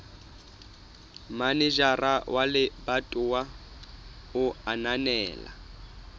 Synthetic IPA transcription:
manɪʒarawʔalɪbatʼʊwa | ʊananɛːla̰

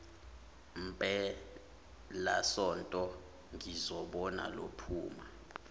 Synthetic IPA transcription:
m̩pʼɛ | lasɔntʼɔ | ŋizɔɓɔna̰lo̰pʰuːma

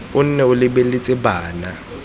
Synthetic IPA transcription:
ʊn̩nɛʊlɪbelɪt͡sʼɪbaːna

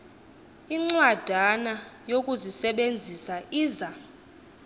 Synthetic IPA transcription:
iŋ͡ǀwad̥ʱanajokʼuzisɛɓend͡zʱisaʔiːza

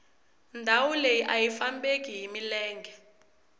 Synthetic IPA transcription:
ndʱawulejiʔajifambek̬ʼiɦimilɛːŋɡʱɛ

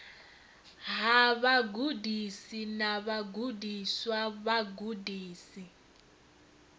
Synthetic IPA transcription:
ɦaβaɡudisinaβaɡudʱiswaβaɡudiːsi

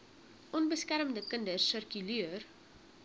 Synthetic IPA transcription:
ʔɔnbəskæɾəmdəkəndərsərkylyər

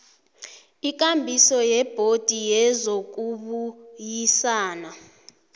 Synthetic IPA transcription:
ik̬ʼambʱisɔjɛb̥ʱod̥ʱijɛzok̬uɓujisaːna

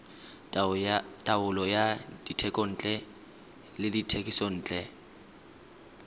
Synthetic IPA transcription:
tʼaʊlɔjad̥itʰɛkʼɔn̩ːt͡ɬʼɛ | lɪditʰekʼisɔn̩ːt͡ɬʼɛ

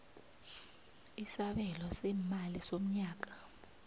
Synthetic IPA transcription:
isaɓɛlɔsɛmalisom̩ɲaːk̬ḁ

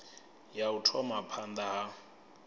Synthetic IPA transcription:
jautʰɔmapʰand̪aɦa

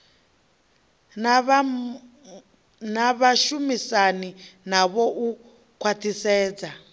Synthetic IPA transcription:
naβaʃumisaninaβɔʔu | kʰwatʰisɛːd͡za

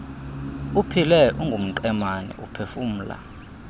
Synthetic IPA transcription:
upʰilɛʔuŋɡʱum̩ǃɛmanɛ̰ʔupʰefum̩ːla̰

